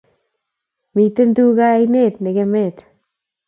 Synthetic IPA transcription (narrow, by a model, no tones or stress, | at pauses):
mit̪end̪uːɣajneːt̪neɣemet̪